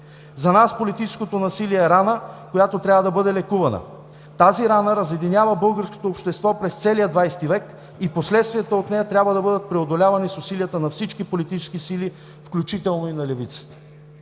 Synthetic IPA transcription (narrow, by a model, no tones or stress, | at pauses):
zɐnaspolit̪it͡ʃɛ̥skot̪onɐsiliɛɛɾanəkojat̪ot̪ɾʲabvəd̪ɐbɤd̪ɛlɛkuvɐnə̰ | t̪aziɾanəɾɐzɛd̪inʲavəbɤlˠɡəɾsko̥t̪oːpʃt̪ɛst̪vɔpɾɛst̪sɛlijəd̪vajst̪ivɛk | iposlɛt̪st̪viɛt̪oot̪nɛjət̪ɾʲabvəd̪ɐbɤd̪ət̪̚pɾɛod̪olʲavɐnisʊsiliət̪ənɐfsit͡ʃkipolit̪it͡ʃɛ̥skisili | fklʲut͡ʃit̪ɛlˠnoinɐlɛvit̪sə̥t̪ə̥